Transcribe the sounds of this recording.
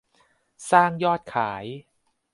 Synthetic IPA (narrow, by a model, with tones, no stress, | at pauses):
saː˥˩ŋjɔː˥˩t̪̚kʰaː˩˦j